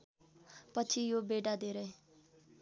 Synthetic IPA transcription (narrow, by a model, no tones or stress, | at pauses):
pʌt͡sʰijobeɖad̪eɾʌj